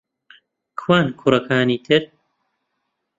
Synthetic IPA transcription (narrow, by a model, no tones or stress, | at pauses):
kʰwaːnkʰurɐkʰaːniːt̪ʰɨɾ